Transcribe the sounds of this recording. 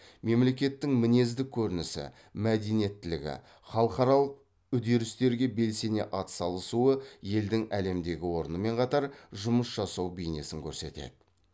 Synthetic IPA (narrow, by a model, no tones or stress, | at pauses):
me̞mle̞kʲe̞t̪ːɪŋmɪne̞zd̪ɪkʲʰːɵɾɪnɪsɪ̰ | mæd̪enijet̪ːɪlɪ̰ɡʲɪ̰ | χɑlˠqɑɾɑlˠəq̚ | ʏd̪e̞ɾɪst̪e̞ɾɡʲe̞be̞lse̞ne̞̰ʔɑt̪sɑlˠəsuəje̞ld̪ɪŋæle̞md̪e̞ɡʲɪwo̞ɾənəme̞ɴqʰɑt̪ɑɾʒʊməsʒ̥ɑsɑwbijne̞sɪŋkʲʰɵɾse̞̰t̪e̞̰d̪̥ɪ̥